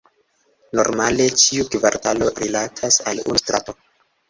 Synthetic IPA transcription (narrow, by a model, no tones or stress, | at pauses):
no̞̰ɾmale̞t͡ʃiukvaɾtalo̞ɾilatʰasalṵnstɾʔa̰to̞